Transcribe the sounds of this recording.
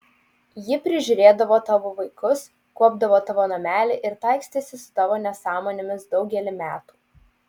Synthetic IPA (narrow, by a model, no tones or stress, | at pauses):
jɪpʲɾʲɪʒʲʊɾʲeːd̪ɐʋoːt̪ɑːʋoːʋɐɪkʊs | kuɔbd̪ɐʋoːt̪ɑʋoːnɐmʲæːlʲɪʔɪɾt̪ɑˑɪksʲt̪ʲeːsʲɪsʊ̥t̪ɑːʋoːnʲɛsɑːmoːnʲɪmʲɪsd̪ɒʊɡʲɛlʲɪmʲæːt̪u̥ː